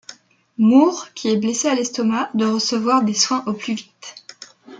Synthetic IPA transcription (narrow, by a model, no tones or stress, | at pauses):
muʁkʲʰiɛblesealɛst̪ɔmad̪waʁəsəvwaʁd̪eswɛ̃ʔoplyvit̪